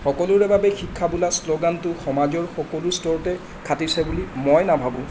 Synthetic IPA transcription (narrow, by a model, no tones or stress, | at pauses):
xɔkɔlʊɹɛbabɛxikʰːabulasloɡantʊxɔmad͡ʒɔɹxɔkɔlʊɹstɔɹtɛ | kʰatisɛbulimojnabʱabʊ̃